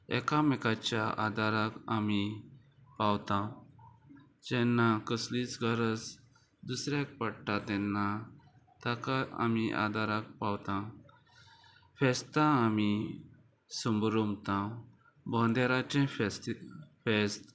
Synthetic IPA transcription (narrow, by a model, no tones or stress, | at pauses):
ɛ̰kamɛkat͡ɕjaʔa̰d̪ʱaɾakami | pawt̪ã | d͡ʑɛ̃nːakəslit͡sɡʱəɾəs | d̪usɾjak̚pəɽʈad̪ɛnːa | t̪akaa̰miʔa̰d̪ʱaɾak̚pawt̪ã | fɛst̪ãːmi | sumbɾumt̪ã | bɔ̃nd̪eɾat͡ɕɛ̃ft̪fest̪